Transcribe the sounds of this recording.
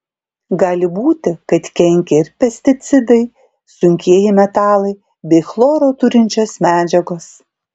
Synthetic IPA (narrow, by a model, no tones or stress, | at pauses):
ɡɑːlʲɪbuːt̪ʲɪkɐt̪kʲɛŋʲkʲɛɪɾpʲɛsʲt̪ʲɪt̪sʲɪd̪ɐɪ | sʊŋʲkʲiɛjɪmʲɛt̪ɑːlˠɐɪ | bʲɛɪxlˠoːɾoːt̪ʊɾʲɪnʲt͡ʃʲoːsmʲæːd͡ʒʲɛɡoːs